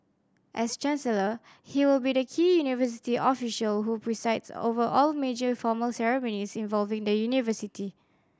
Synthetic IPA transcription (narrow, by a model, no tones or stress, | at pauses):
ʔɛst͡ʃɛ̃nsələ | hiwɪlbidəkʰiːjunivəs̬i̥tiʔɔfiʃəlɦupʰɹisaɪdso̰vəʔɔlmed͡ʒəfɔməlsɛɹɛmõnisĩnvɔlvɪ̃ŋdəjunivəsitʰi